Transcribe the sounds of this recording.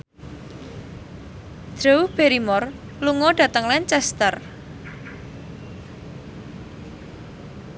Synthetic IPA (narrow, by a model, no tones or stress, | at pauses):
d̥ɾowb̥eɾimɔr | luŋɔɖ̥ä̤t̪əŋlɛnt͡ʃɛst̪ər